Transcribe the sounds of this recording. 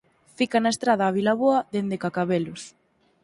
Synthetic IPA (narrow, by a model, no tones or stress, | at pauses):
fikanaest̪ɾað̞aːβ̞ilaβoɐðend̪ekakaβelʊs